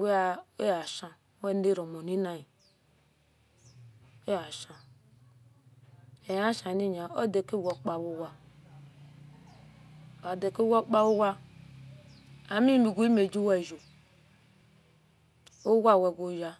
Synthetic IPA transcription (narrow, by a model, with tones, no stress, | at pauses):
wa˨e˦ja˨ʃã˨˦ | wɛ˦ne˦ɾo˨mo˨ni˦na˦i˨ | o˦ja˨ʃã˨ | e˨ja˦ʃa˨ni˦ɲa˨o˦de˨ke˦˨wo˨k͡pa˨bu˦wa˦˨ | a˨de˨ke˦wa˦k͡pa˦wu˦wa˦ | a˨mi˦˨mi˨ɡu˦i˦me˨d͡ʒi˦wa˦˨ʒo˨ | o˦wa˦˨we˨ɡʷo˨˦ja˦